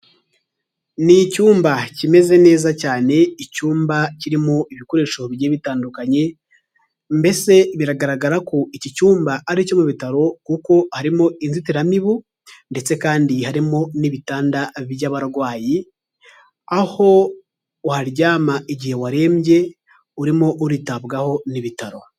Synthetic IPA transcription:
nicuːmbacime̞ze̞ne̞ːzacaːne̞icuːmbaciɾimoʔiβiko̞ɾe̞ːʃo̞βjeβitaːndukaɲe̞ | mbe̞se̞βiɾaɡaɾaɡaɾakoicicuːmbaaɾico̞muβitaɾo̞kuko̞haɾimo̞inzitiɾamiβu | nde̞t͡se̞kaːndihaɾimo̞niβitaːndaβijaβaɾɡwaːji | aho̞ | uhaɾɟaːmaʔiɟihe̞waɾe̞ːmɟe̞ | uɾimo̞ʔuɾitaβɡaho̞niβitaɾo̞

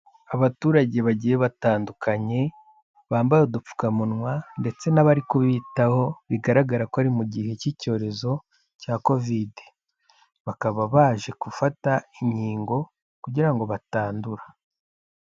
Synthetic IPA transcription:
aβatuːɾaɟe̞βaɟije̞βataːndukʰaɲe̞ | βaːmbajodup͡fu̥kamunŋwande̞t͡se̞naβaɾikuβitaho̞βiɡaɾaɡaɾakoaɾimuɟihe̞cico̞ːɾe̞zo̞ | caːko̞vide | βakaβaβaːʒe̞kufataiɲiːŋɡo̞ | kuɟiɾaŋɡo̞βataːnduɾa

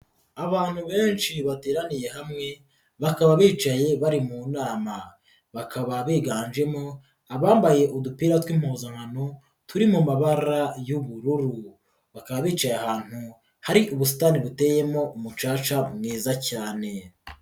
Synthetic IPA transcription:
aβaːn̥huβe̞ːnʃiβate̞ːɾanije̞ɦamŋe̞ | βakaβaβiːt͡ʃaje̞βaɾimunaːma | βakʰaβaβiːɡaːnd͡ʒe̞mo̞ | aβaːmbaje̞ʔudupiːɾatwimozaŋano | tʰuɾimumaβaɾajuβuɾuɾu | βakaβaβiːt͡ʃajeaɦaːn̥hu | haɾiʔuβusi̥taniβute̞je̞mo̞ʔumut͡ʃaːt͡ʃamŋiːzacaːne̞

